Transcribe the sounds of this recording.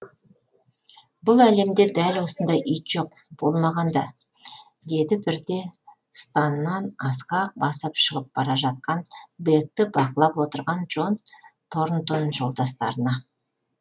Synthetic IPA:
bʊlˠæle̞md̪e̞d̪ælwo̞sənd̪ɑjʔʏjt̪ʒ̥o̞q̚ | b̥o̞lˠmɑʁɑnd̪ɑ | d̪e̞d̪ɪbɪɾd̪e̞ | st̪ɑnːɑnɑsqɑbɑsəpʃəʁəp̚b̥ɑɾɑʒɑt̪̚qɑnbek̚t̪ɪbɑqəlˠɑpwot̪əɾʁɑnʒo̞nt̪ʰo̞ɾnt̪onʒo̞lˠd̪ɑst̪ɑ̰ɾənɑ

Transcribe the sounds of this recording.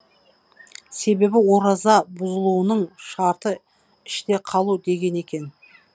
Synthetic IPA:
se̞be̞bɪwo̞ɾɑzɑbʊzəlˠuənəɴʃɑɾt̪ə | ɪʃt̪e̞qʰɑlˠud̪e̞ɡʲe̞ne̞kʲe̞n

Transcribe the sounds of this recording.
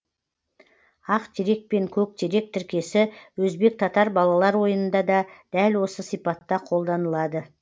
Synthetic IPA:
ɑqt̪ʰeɾe̞k̚pe̞ŋkʲʰɵk̚t̪ʰeɾe̞k̚t̪ʰɪɾkʲe̞sɪwɵzbe̞k̚t̪ʰɑt̪ɑɾbɑlˠɑlˠɑɾwo̞jənənd̪ɑd̪ɑd̪̥ælwo̞səsijpɑt̪ːɑqʰo̞lˠd̪ɑnəlˠɑd̪ə

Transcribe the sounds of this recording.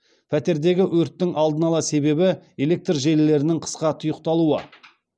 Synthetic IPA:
pʰæt̪e̞ɾd̪e̞ɡʲɪʔwɵɾt̪ːɪŋʔɑlˠd̪ənɑlˠɑse̞be̞bɪe̞le̞k̚t̪rʒe̞lɪle̞ɾɪnɪŋqʰə̥sqɑt̪ʰʊjəq̚t̪ɑlˠuə̰

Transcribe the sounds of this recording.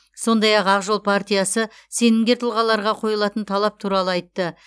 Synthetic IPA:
so̞nd̪ɑjɑqɑqʒolˠpʰart̪ʲijasəse̞nɪŋɡʲe̞t̪ʰəlˠʁɑlˠɑɾʁɑqʰo̞jəlˠɑt̪ənt̪ʰɑlˠɑp̚t̪ʰuɾɑlˠəɑjt̪ːə

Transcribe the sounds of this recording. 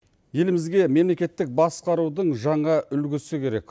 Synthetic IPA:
je̞lɪmɪzɡʲe̞me̞mle̞kʲe̞t̪ːɪk̚bɑsqɑɾud̪əɴʒɑɴɑʔʏlɡʲɪsɪkʲʰe̞ɾe̞k

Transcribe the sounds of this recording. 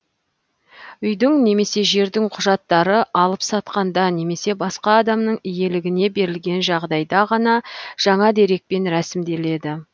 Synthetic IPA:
ʏjd̪ɪŋne̞me̞se̞ʒe̞ɾd̪ɪŋqʰʊʒɑt̪ːɑɾəʔɑlˠəpsɑt̪qɑnd̪ɑne̞me̞se̞bɑsqɑːd̪ɑmnəɴɪje̞lɪɡʲɪne̞be̞ɾɪlɡʲe̞nʒɑʁd̪ɑjd̪ɑʁɑnɑʒ̥ɑɴɑd̪e̞ɾe̞k̚pe̞nɾæsɪmd̪e̞le̞d̪ɪ

